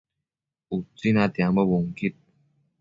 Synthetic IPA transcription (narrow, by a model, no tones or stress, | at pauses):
ut͡sinat̪jaməwʊŋkit̚